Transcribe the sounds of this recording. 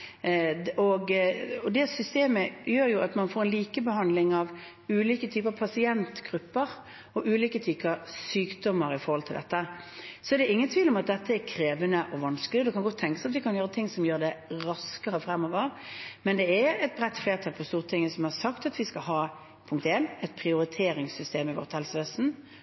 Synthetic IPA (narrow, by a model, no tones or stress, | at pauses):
ɔɡɔd̪ɛsʏst̪eːməjøːɾjʊʔɑt̪mɑnfoːɾɛnliːkəbəɦɑnd̪lɪŋɑʋ | ʉːliːkət̪ʰyːpəɾɑpʰɑsɪɛnt̪ɡ̥ɾʉpːəɾ | ɔʔʉːliːkət̪ʰyːpɑsyːkd̪ɔmːəɾɪfɔɾhɔlt̪ʰɪld̪ɛt̪ːəsɔɛd̪ɛɪŋːənt̪ʰʋiːlɔmɑt̪̚d̪ɛt̪ʰːəɛɾkʰɾeːʋənəʔɔʋɑnsklɪɔd̪ɛkʰɑnɡɔt̪ʰːɛŋkəsɑt̪ʋ̪ɪkʰɑnjøːɾət̪ʰɪŋːsɔmjøːɾd̪ɛɾɑskəɾəfɾɛmːɔːʋɑʋmɛnd̪ɛɛɾɛt̪̚bʁɛt̪ːfleːʁt̪ʰɑlpʰɔst̪uːʁət̪ʰɪŋːəsɔmhɑɾsɑkt̪ɑt̪ʋɪskɑɦɑː | pʰʊŋkt̪eːnɛt̪̚pʰɾɪʊɾɪt̪ʰeːɾɪŋsʏst̪eːmɪʋɔ̰ʁt̪hɛlsʋeːsn̩